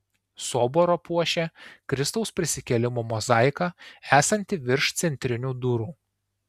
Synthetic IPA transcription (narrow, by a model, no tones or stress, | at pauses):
soːboɾopuɔʃʲɛkɾʲɪst̪ɐʊspʲɾʲɪsʲɪkʲɛlʲɪmoːmɔzɑˑɪkɑːæːsɐnʲt̪ʲɪʋʲɪɾʃt̪sʲɛnʲt̪ʲɾʲɪnʲuːd̪ʊɾuː